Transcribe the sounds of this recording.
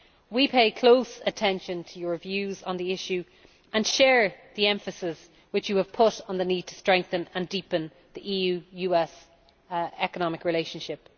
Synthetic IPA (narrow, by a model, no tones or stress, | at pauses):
wipʰeɪkʰl̥oʊsətʰɛ̃nʃə̃ntʰəjə˞vjʉːzə̃nðiɪʃʉ | ə̃nʃɛːɹðiɛ̃ɱfəsɪz̥ | wɪt͡ʃjəːv̥pʰʊɾn̩ðəniːd̚tʰə̥stɹ̥ɛ̃ŋk̚θə̃nə̃ndipə̃n | ðiʔiːjʉːjʉːɛs | ɛkənɑmɪkɹɪleɪʃə̃nʃɪp